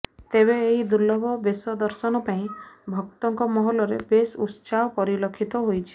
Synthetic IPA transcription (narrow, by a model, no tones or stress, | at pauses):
t̪eβeːɦid̪ulːɔbʱɔbesɔd̪ɔɾsɔnɔpaĩbʱɔkt̪ɔŋkɔmɔɦɔlɔɾḛbesutt͡ʃapɔɾilɔkʰːit̪ɔɦojt͡ʃʰi̥